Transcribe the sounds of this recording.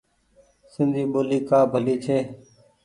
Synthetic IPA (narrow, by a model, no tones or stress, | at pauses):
sɪ̃nd̪ʱiːɓoːliːkaːbʱəliːt͡ʃʰeː